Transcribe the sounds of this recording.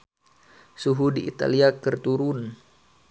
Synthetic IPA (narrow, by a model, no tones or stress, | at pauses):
suɦudiḭt̪a̰liakərt̪uɾun